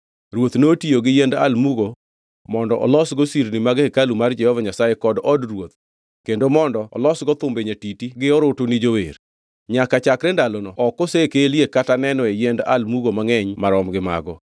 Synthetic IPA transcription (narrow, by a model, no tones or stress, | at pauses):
ɾwot̪notioɡɪjenda̰lmuɡo | mɔndɔʔɔ̰lɔsɡɔsiɾnimaɡekalumard͡ʒɛhɔvaɲasajekɔdɔdrwot̪̚ | kendomɔndɔɔ̰lɔsɡɔt̪ʊmbeɲetitiɡɪɔɾʊtonid͡ʒowḛɾ | ɲakat͡ʃakɾendalonɔɔkɔsekeliekatanɛnɔejenda̰lmuɡomaŋɛɲmaɾɔmɡɪma̰ɡɔ